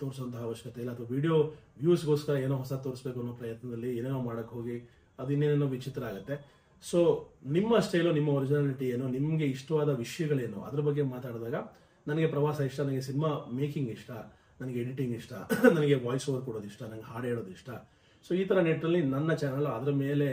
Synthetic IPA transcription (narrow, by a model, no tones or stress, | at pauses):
t̪o̞ːɾsoʋɐnt̪ɐɦaːʋɐʃjɐkɐt̪eilːɐt̪ʰʋɐʋiːɽijoʋjuːsɡo̞ːskɐɾɐeːnoːɦɔsɐt̪o̞ːɾisbe̞ːk̬uɐnːoːpɾɐjɐt̪nɐd̪ɐlːieːneːnoːmaːɽɐkːeɦoːɡi | ɐd̪uinːeːneːnoːʋit͡ʃit̪ɾɐaːɡut̪ːe̞ | so̞ːnimːɐːʂʈeiloːnimːɐɐɾid͡ʒinaːliʈieːnunimːɐɡe̞iʂʈɐʋaːd̪ɐʋiʂɐjɐɡɐɭe̞ːnṵʔɐ̰d̪ɐɾɐbɐɡːe̞maːt̪aːɽd̪aːɡɐ | nɐnɐɡe̞pɾɐʋaːsɐiʂʈɐnɐnɐɡe̞sinimaːmeːkiŋɡiʂʈɐ | nɐnɐɡeeɽiʈiŋɡiʂʈɐ̰nɐnɐɡe̞ʋaːjsoːʋɐɾkɔɽoːd̪iʂʈɐnɐnɐɡeɦaːɽeːɭoːd̪iʂʈɐ | so̞ːiːt̪ʰɐɾɐneʈːɐlːinɐnːɐt͡ʃaːnɐlɐd̪ɐɾɐme̞ːle̞